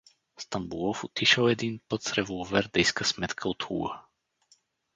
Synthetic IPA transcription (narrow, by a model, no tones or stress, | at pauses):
st̪ambulˠɔfut̪iʃɐlˠɛd̪inpɤt̪sɾɛvɔlˠvɛɾd̪ɛjskəsmɛt̪kʰəot̪ṵɡə